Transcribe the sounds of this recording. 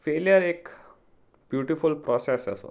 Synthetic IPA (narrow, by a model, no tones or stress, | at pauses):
feljəɾek | bjuʈifulpɾɔsesə̰so̰